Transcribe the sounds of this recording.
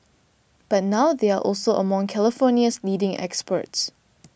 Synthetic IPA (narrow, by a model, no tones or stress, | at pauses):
b̥at̚nawðeaʔɔlsoʔə̰mɔ̃ŋkʰɛləfɔniəsliːdɪ̃ŋɛ̰kspə̰ts